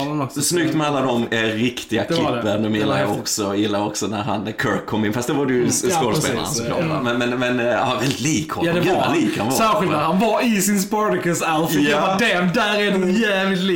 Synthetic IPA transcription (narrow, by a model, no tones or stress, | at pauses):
snʏk̚t̪mɛalːad̪ɔmɾɪkt̪ɪɡak̪ʰlpːəd̪ɔmjɪlːaɾɔksɔjɪlːaɾɔksɔnæɾɦa̰nkʰœɾkʰːɔmːɪnfast̪̚d̪ɛvaɾɛjskoːd̪spḛːl̰asɔɑ̰ːa̰mɛnmɛnmɛnɑ̰vɛlɪt̪liːkhɔ̰d̪ɛɡʉa̰liːkəha̰nvɑsæːɾɧɪlt̪næɾhanvɑɾɪsɪnspɔɹd̪ɪkəsalfɪɛɑd̪ɛmd̪æɾɛnʊjæːvlɪt̪li